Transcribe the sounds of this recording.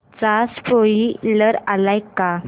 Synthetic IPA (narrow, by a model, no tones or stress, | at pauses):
t͡saspoiləɾalajkːa